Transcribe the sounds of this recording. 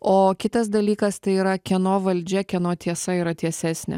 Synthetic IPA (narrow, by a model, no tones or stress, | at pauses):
oːkʲɪt̪ɐsd̪ɐlʲiːkɐst̪ɐɪiːɾɐkʲɛnoːʋɐlʲd͡ʒʲɛkʲɛnoːt̪ʲiɛsɐiːɾɐt̪ʲiɛsʲæːsʲnʲɛ̰